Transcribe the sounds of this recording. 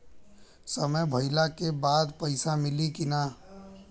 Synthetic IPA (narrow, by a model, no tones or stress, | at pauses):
səməjbʱəɪlakebaːd̪pəɪsamɪlikɪna